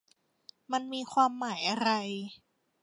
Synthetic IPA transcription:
ma˧nmiː˧kʰwaː˧mːaː˩˦jʔa˧ɾa˧j

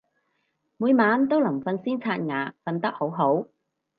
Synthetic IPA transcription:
muː˨˧jmaː˨˧˥nt̪o˥wlɐ˨˩mfɐ˧nsiː˥nt͡sʰaː˧t̚ŋaː˨˩fɐ˧nt̪ɐ˥k̚ho˨˥wɦo˨˥w

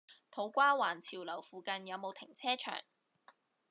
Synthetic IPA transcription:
t̪ʰo˨˥wkʷaː˥waː˨˩nt͡sʰiː˨˩wlɐ˨˩wfuː˨kɐ˧njɐ˨˧wmo˨˧wt̪ʰɪ˨˩ŋt͡sʰɛː˥t͡ʃʰœ̰ː˨˩ŋ

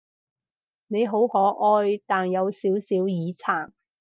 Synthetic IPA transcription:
ne˨˧jɦo˨˥whɔː˨˥ʔɔː˧jt̪aː˨njɐ˨˧wsiː˨˥wsiː˨˥wjiː˨˧t͡sʰaː˨˩ŋ

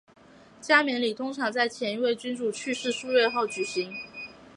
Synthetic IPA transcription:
t͡ɕja˥mjɛ˧˥nli˨˩t̪ʰʊ˥ŋʈ͡ʂʰɑ˧˥ŋt͡sa˥˩ɪt͡ɕʰjɛ˧˥ni˧˥we˥˩ɪt͡ɕy˥nʈ͡ʂu˥˩t͡ɕʰy˥˧ʂɻ̩˥˧ʂu˥ɥɛ˥˧xo˥˩ʊt͡ɕy˨˩ɕi˧˥ŋ

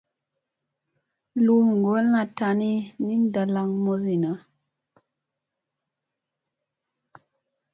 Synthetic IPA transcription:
lu˦m˨ŋ˨ɡo˦lna˨ta˨ni˦ni˦n˦da˨la˦ŋmo˦zi˨na˨˦

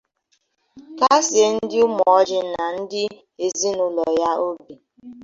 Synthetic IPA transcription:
ka˦se˨˦n̩˦dɪ˦ʊ˦mɔ˨ɔ˦d͡ʒɪ˦na˨n̩˦dɪ˦ | e˨zi˦nʊ˨lɔ˨ja˦o˦bi˨

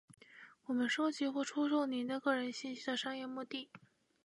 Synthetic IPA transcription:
wɔ˨˩mə˦nʂo˥ʊt͡ɕi˧˥xwɔ˥˩ʈ͡ʂʰu˥ʂo˥˩ʊni˧˥d̪ə˧kɤ˥˩ɻə˧˥nɕi˥˧nɕi˥d̪ə˨ʂɑ˥ŋjɛ˥˧mu˥˧t̪i˥˩

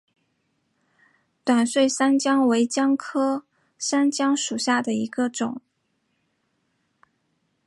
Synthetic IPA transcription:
t̪wa˨˩nswe˥˩ɪsa˥nt͡ɕjɑ˥ŋwe˧˥ɪt͡ɕjɑ˥ŋkʰɤ˥ | sa˥nt͡ɕjɑ˥ŋʂu˨˩ɕja˥˩d̪ə˩i˧˥ɡə˧ʈ͡ʂʊ˨˩˦ŋ

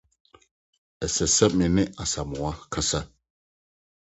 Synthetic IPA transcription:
ɛ˨sɛ˨sɛ˦p̚mi˨ni˦ʔa˨sa˨mu˨wa˦kʰa˦sa˦

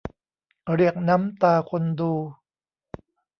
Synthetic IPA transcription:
ɾi˨˩ək̚na˦˥mt̪aː˧kʰo˧nduː˧

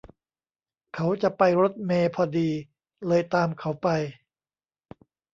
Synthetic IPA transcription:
kʰa˦˥wt͡ɕa˨˩pa˧jɾo˦˥t̪̚meː˧pʰɔː˧diː˧ | lɤː˧jt̪aː˧mkʰa˦˥wpa˧j

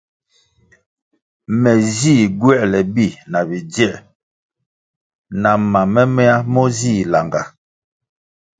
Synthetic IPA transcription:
mɛ˨ziː˦˨ɡwɛ˦ʔlɛ˨bi˦˨na˨bi˨d͡ʒjɛ˦˨ʔ | na˨ma˨mɛ˦mɛ˦a˦mɔ˦zi˦˨la˨ŋɡa˨

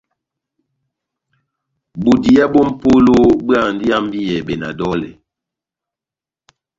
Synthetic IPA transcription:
bu˨di˨a˦bo˦m̩˦˨po˦lo˦bɰa˦˨n̩˨di˦a˦m˦bi˦jɛ˨bɛ˨na̰˨dɔ˦lɛ̰˨

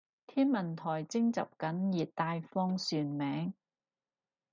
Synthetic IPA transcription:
t̪ʰiː˥nmɐ˨˩nt̪ʰɔː˨˩jt͡sɪ˥ŋt͡sɐ̰˨p̚kɐ˨˥njiː˨˩t̪̚t̪aː˧jfɔː˥ŋsyː˨˧nmɛː˨˥ŋ

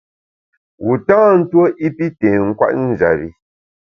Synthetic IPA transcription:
wu˨tãː˦n̩˦two˦ʔi˦pi˦tẽː˨ŋ̩˦kwa̰˦ʔn̩˦˨d͡ʒa̰˨ɾḭ˨

